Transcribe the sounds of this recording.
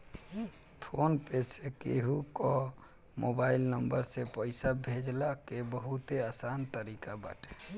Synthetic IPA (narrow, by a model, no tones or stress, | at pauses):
pʰonpesekeɦukɔ | mobailnəmbəɾsepəɪsabʱed͡ʒlakebəɦut̪easant̪əɾikaba̰ːʈʰe̥